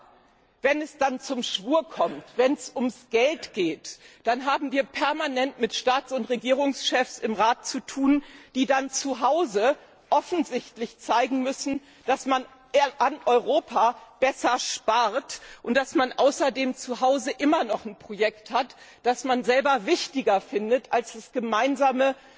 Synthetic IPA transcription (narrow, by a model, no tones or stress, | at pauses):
vɛnɛsd̥ant͡sʊmʃv̥uːɐkʰɔmtv̥ɛnsʊmsɡ̥ɛltɡ̥eːtd̥anɦaːbm̩viːɐpʰɛɐmanɛntmɪtʃtaːt͡sʊntʁeɡiːʁ̞ʊŋsʃɛfsɪmʁaːt̚t͡sutʰuːnd̥iːdant͡suɦaʊzə | ʔɔfn̩zɪçtlɪçt͡saɪɡŋ̩mʏsn̩ | d̥asman | ʔanʔɔʏʁoːpʰab̥ɛsɐʃpaʁtʔʊnt̚d̥asmanʔaʊsɐdeːmt͡suɦaʊzəʔɪmɐnɔχn̩pʁ̥ojɛkthatd̥asmanzɛlbɐvɪçtɪɡɐfɪndətalsd̥asɡ̥əmaɪnzaːmə